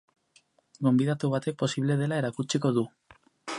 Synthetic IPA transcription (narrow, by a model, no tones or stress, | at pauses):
ɡo̞mbiðat̪uβ̞at̪e̞k̚po̞siβ̞leðe̞laeɾakut͡ʃiko̞ðu